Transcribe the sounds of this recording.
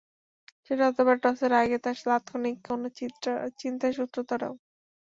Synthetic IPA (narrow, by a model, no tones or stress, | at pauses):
ʃeʈaɔt̪ʰobaɾʈɔseɾaɡet̪aʃlat̪kʰonikːonot͡ɕint̪aʃut̪ːɾot̪ɔɾḛo